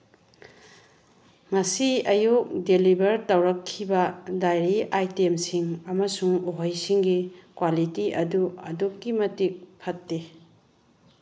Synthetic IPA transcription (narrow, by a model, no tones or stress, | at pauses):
ŋɐsiɐjuk̚delibɐɾtɐwɾɐkʰːibɐdajɾiʔajtemsiŋɐmɐsuŋoɦojsiŋɡikwalitiʔɐduɐ̰dukɡimɐtik̚pʰɐt̚ːe